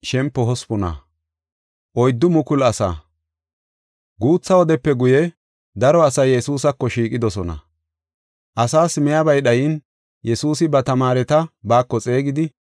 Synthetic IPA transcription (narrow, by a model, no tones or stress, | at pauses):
ʃɛmpːɔɦɔspɔnɐ̰ | ʔɔjd̪ːʊmʊkʊlɐsa̰ː | ɡuːt͡sːɐwɔd̪ɛpːɛɡʊjɛ | d̪ɐɾɔɐsɐjːɛsuːsɐkːɔʃiːkʼɪd̪ɔsɔnɐ̰ | ʔɐsaːsmɛjabɐjɗɐjɪn | jɛsuːsɪbɐt̪ɐmaːɾɛt̪ɐbaːkːɔt͡sʼe̞ːɡɪd̪ɪ